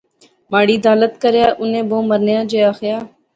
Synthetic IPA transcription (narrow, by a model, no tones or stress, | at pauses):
maːɽiːd̪ʱaːlət̪kəɾjaːʔʊnẽːbõːməɾnjãːd͡ʒeːaːxjaː